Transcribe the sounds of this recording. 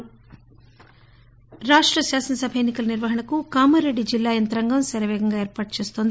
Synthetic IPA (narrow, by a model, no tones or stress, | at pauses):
ɾaːʂʈɾɐʃaːsɐnɐsɐbʱɐjeːnːikɐlɐniɾʋɐɦɐɳɐkukaːmɐɾeɖːid͡ʒilːaːjɐnt̪ɐɾɐŋɡɐmsɐɾɐʋɛːɡɐŋɡaːeːɾpaːʈ̚t͡ʃeːst̪ond̪i